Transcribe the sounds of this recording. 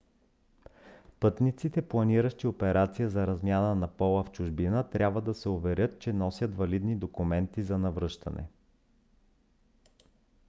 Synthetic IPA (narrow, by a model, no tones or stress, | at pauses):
pɤt̪nit̪sit̪ɛplˠɐniɾəʃt̪iopɛɾat̪sijəzɐɾɐzmʲjanənɐpɔlˠəft͡ʃʊʒbinət̪ɾʲʔabvəd̪ɐsɛʊvɛɾʲjɤt̪̚t͡ʃɛnɔsʲjət̪vɐlid̪nid̪okʊmɛnt̪izɐnɐvɾɤʃt̪ɐ̰nʔɛ̰